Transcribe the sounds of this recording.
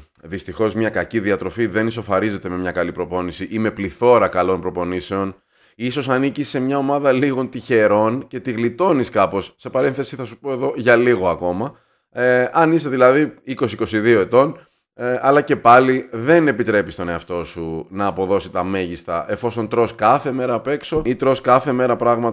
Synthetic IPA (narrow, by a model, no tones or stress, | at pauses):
ðist̪ixo̞zmɲɐkɐciðiɐt̪ɾo̞fiðe̞niso̞fɐɾize̞t̪e̞me̞mɲɐkɐlipɾo̞po̞nisiʔime̞pliθo̞ɾɐkɐlo̞npɾo̞po̞nise̞o̞n | iso̞sɐnicisːe̞mɲɐo̞mɐðɐliɣo̞nt̪içe̞ɾo̞nce̞t̪iɣlit̪o̞niskɐpo̞sːe̞pɐɾe̞nθe̞siθɐsupo̞e̞ðo̞ʝɐliɣo̞ɐko̞mɐ | ɐniseðilɐðiiko̞siko̞siðio̞e̞t̪o̞n | ɐlɐce̞pɐliðe̞ne̞pit̪ɾe̞pist̪o̞ne̞ɐft̪o̞sunɐːpo̞ðo̞sit̪ɐme̞ʝist̪ɐ̰ʔe̞fo̞so̞nt̪ɾo̞skɐθe̞me̞ɾɐpe̞kso̞it̪ɾo̞skɐθe̞me̞ɾɐpɾɐɣmɐt̪